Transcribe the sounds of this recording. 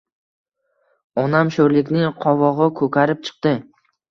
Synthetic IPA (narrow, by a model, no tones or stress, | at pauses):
ɒnamʃɵɾlɪkʲnɪŋqʰɒvɒʁɨkʰɵkʲaɾɪp̚t͡ʃʰɨ̥q̚t̪ɪ